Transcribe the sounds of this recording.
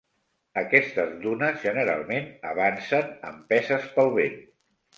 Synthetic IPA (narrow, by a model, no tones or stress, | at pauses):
əkɛst̪əzðunəzʒənəɾa̰lˠmenəβ̞ansənə̰mpɛzəspəlˠβen